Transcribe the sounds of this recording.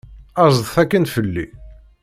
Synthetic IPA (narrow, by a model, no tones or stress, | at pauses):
ɑzˤðˤθækːənfəlːi